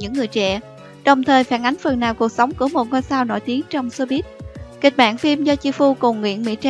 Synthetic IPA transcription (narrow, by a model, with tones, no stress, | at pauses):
ɲɨ̰˧˥ŋːɨ˨˩əjt͡ɕɛ̰˧˥˨ | ɗə˨˩wŋ͡mt̪ʰəː˨˩jfaː˧˩nʔa˨˦jŋ̟fə˨˩nnaː˨˩wku˨˩ək̚sə˨˦wŋ͡mku˧˩əmo˨˩t̚ŋɔ˧jsaː˧wno̰˧˨jt̪i˨˦əŋt͡ɕɔ˧wŋ͡mso˧ɓi˦˥t̚ki˨˩k̟̚ɓa̰ː˧˨nfi˧mzɔ˧t͡ɕi˧fu˧kʊ˨˩wŋ͡mŋwḭ˧˨ənmḭ˧˥t͡ɕː